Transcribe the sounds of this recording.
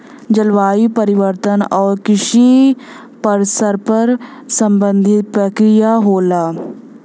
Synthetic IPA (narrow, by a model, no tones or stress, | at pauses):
d͡ʒɐlʋaːipəɾɪʋəɾt̪ənɔːɾkɪʃi | pəɾsəɾpəɾsɐ̃mbə̃nd̪ʱɪt̪̚pɾəkɾijaɦoːlaː